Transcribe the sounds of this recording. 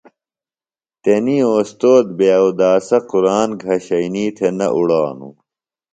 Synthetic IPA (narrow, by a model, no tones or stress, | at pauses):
t̪enioːst̪oːd̪̚beɐud̪aːsɐquɾaːnɡʱɐɕɐjniːt̪ʰenɐ̰ʔuɽaːnṵ